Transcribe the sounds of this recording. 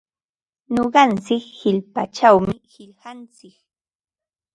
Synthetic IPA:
ɲoɢɑnt͡sɪkhɪʎpat͡ʃawmɪhɪʎhɑnt͡sɪk

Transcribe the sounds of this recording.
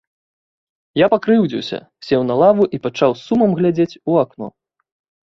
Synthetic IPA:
japakɾɨwd͡zʲiwsʲɐ̰ | sʲɛwnalˠavuʔipat͡ʂawsːumɐmɣlʲad͡zʲet͡sʲuaknɔ̰

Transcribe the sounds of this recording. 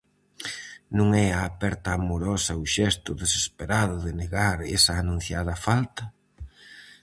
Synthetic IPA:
nũŋɛaːpɛɾt̪ɐːmoɾɔsɐʊʃɛst̪ʊðesespeɾaðʊðɪneɣaɾɛsɐːnũn̟θjaðɐfalt̪ɐ

